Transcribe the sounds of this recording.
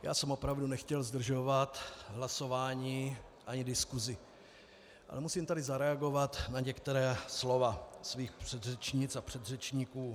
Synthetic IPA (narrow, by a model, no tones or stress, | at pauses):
ja̰ːsɛmʔo̞pɾavdunɛxcɛlzd̪r̩ʒo̞vat̪ɦlaso̞vaːɲiː | ʔaɲɪdɪskuzɪ | ʔa̰lɛmusiːmt̪adɪzaɾɛaɡo̞vat̪naɲɛkt̪ɛɾɛːslo̞vasviːxpr̝̥ɛd̪rɛt͡ʃɲɪt͡sapr̝̥ɛd̪rɛt͡ʃɲikuː